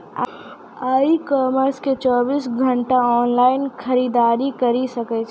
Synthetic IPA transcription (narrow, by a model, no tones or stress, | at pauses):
a | aːikɔːməɾsket͡ʃɔːbiːsɡʱɐ̃ɳʈaɔːnlaːɪnxɐɾiːd̪aːɾikɐɾisɐket͡ʃʰ